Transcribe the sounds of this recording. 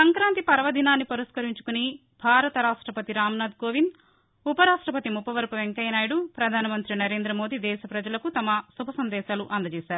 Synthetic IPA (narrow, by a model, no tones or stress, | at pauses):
sɐŋkɾaːnt̪ipɐɾɐʋɐd̪ʱinaːnːipɐɾɐskɐɾiɲt͡ʃu̥kuni | bʱaːɾɐt̪ɐɾaːʂʈɾɐpɐt̪iɾaːmnaːd̪̚ɡoːʋin | upɐɾaːʂʈɾɐpɐt̪imupɐʋɐɾpɐʋeŋkɐjɐnaːjɽupɾɐd̪ʱaːnɐmɐnt̪ɾinɐɾe̞ːnd̪ɾɐmo̞ːd̪id̪ɛːʃɐpɾɐd͡ʒɐlɐkut̪ɐmɐsubʱɐsɐnd̪ɛːʃaːluʔɐnd̪ɐt͡ʃɛːsaːɾu